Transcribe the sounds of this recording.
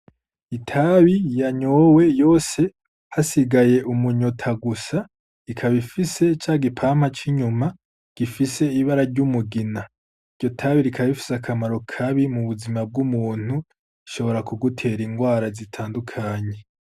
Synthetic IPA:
itʰaβijaɲowe̞jo̞ːse̞ | hasiɡaje̞ʔumuɲotʰaɡusa | ikʰaβifise̞t͡ʃaːɡipʰaːm̥hat͡ʃiɲuma | ɡ̥ifise̞iβaɾaɾɟumuɡina | iɾɟo̞tʰaβiɾikʰaβifi̥sakʰamaɾo̞kʰaβimuβuzimab̚ɡumuːn̥hu | iʃo̞βo̞ɾakuɡutʰe̞ːɾiŋɡwaːɾazitʰaːndukʰaːɲe̞

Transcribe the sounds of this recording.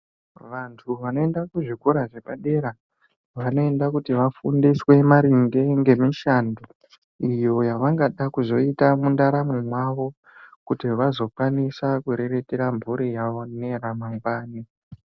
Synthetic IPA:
ʋantʰuʋano̞e̞ndakuʐikoɾaʐe̞paɗe̞ɾa | ʋano̞e̞ndakutiʋafundiswe̞maɾiŋde̞ŋɡe̞miʃando | ijo̞jaʋaŋɡaɗakuzo̞itamundaɾamomwaʋo̞ | kutiʋazo̞kwanisakuɾe̞re̞te̞ɾambʱuɾijaʋo̞ne̞ramaŋɡaːni

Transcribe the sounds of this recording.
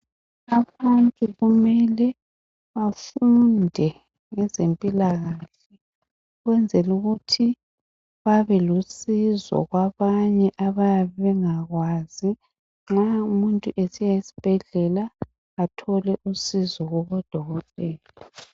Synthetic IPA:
aβantʼuɣumɛlɛ | βafundʱɛ | ŋɛzempʼilaɣaɬɛ | ɣwɛnd͡zʱɛluɣutʰi | βaβɛlusizɔ̰ɣwaβaɲɛʔaβajaβɛŋaɣwazi | ŋ͡ǁaumuntʼuʔesijaisi̥b̥ʱɛɮɛlaː | tʰɔlɛʔusizɔɣɔβɔd̥ʱɔɣɔtʼɛːlɔɔ

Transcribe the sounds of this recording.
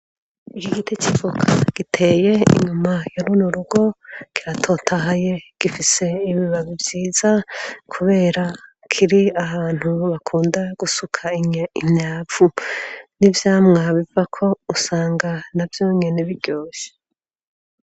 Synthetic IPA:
ikiɡitit͡ʃivukʰaɡ̥itʰe̞je̞ḭɲumajoɾunuɾuɡo̞kiɾatʰo̞tʰaɦaje̞ɡ̥ifise̞iβiβaβivjiːzakʰuβe̞ːɾa | kʰiɾiahaːn̥huβakʰuːndaɡ̥usukʰaiimɲaːvunivjaːmŋaβivakʰo̞usaːŋɡanavjo̞ːɲe̞neβiɟ̥o̞ːʃe̥

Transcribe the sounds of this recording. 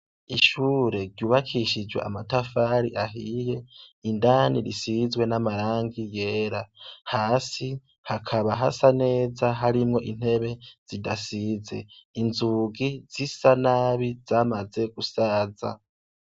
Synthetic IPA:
iʃuːɾe̞ɾɟuːβakʰiʃid͡ʒwe̞̰ʔa̰matafaːɾiʔaɦije̞indaːniɾisizwe̞namaɾaːŋɡije̞ːɾahaːsi | hakʰaβaɦasane̞ːzaɦaɾimŋo̞ʔin̥he̞βe̞z̥idasize̞̰inzuɡiz̥isanaβiz̥aːmaze̞ɡ̥usaːza̰

